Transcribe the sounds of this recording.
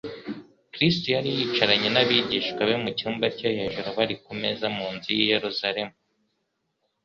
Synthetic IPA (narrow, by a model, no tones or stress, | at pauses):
kɾistojaɾijit͡ʃaɾaɲe̞naβiɟiːʃkwaβemucuːmbacahe̞ʒuɾoβaɾikome̞zamuːnzijijeɾuzaɾe̞mu